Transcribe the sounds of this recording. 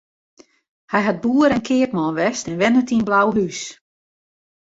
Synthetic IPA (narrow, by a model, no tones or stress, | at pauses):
hɛjɦat̚buəɾɛnkʰɪəkmɔːnʋɛstɛnʋɛnətinblawɦys